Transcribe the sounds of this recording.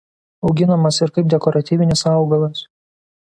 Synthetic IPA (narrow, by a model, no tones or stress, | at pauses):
ɒʊɡʲɪnɐmɐsɪɾkɐɪp̚d̪ʲɛkɔɾɐt̪ʲiːʋʲɪnʲɪsɑˑʊɡɐlˠɐs